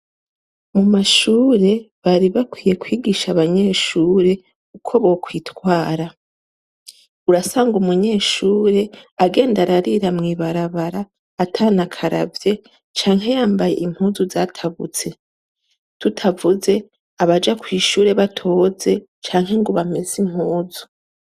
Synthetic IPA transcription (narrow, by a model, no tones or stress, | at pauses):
mumaʃuːɾe̞ | βaɾiβakwiːje̞kwiːɡiʃaβaɲe̞ːʃuːɾe̞ | kukʰo̞βo̞kwiːtkwaːɾa | uɾasaːŋɡumuɲe̞ːʃuːɾe̞aɡe̞ːndaɾaɾiɾamŋiːβaɾaβaɾaː | tʰaːnakʰaɾa̰vje̞ | t͡ʃaːŋɦe̞jaːmbaje̞̰ʔim̥huːzuzaːtʰaβṵt͡se̞ | tutʰavuze̞ | aβad͡ʒakwiːʃuːɾe̞βatʰo̞ːze̞ | t͡ʃaːŋɦe̞ŋɡoβame̞zim̥huːzu̥